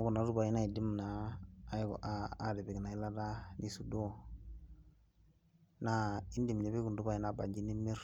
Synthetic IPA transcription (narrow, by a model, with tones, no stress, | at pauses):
ɡu˨na˨du˦ba˨i˦na˦i˨di˦mnaː˨˦ | ɡɔ̰˨ʔaa˦di˨be˨ɡna˨i˦la˦da˦nʔi˨su˨do˦ | na˦i˦ndi˨mɲe˨bi˦ɡu˨du˦ba˦i˦na˦˨ba̰˨ɲd͡ʒi˦ni˦mːi˦ɾ